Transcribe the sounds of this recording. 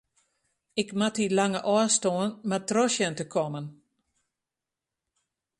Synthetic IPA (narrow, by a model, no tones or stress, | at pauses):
ɪkmatilaŋəʔɔːstoːənmatrɔsjəntəkʰɔmən